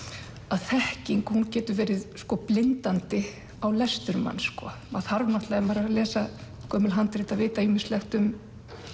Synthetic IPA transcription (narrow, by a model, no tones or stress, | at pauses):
aðθɛhciŋkhuncɛːt̪ʏvɛːɾɪðskɔplɪnt̪ant̪ɪ | awlɛst̪ʏɾma̰nːskɔ | aðθaɾvmaht̪laðɛmpaːɾalɛːsa | kʰœːmʏlɦant̪ɾeːt̪aðvɪːt̪aiːmɪslɛxt̪ʏm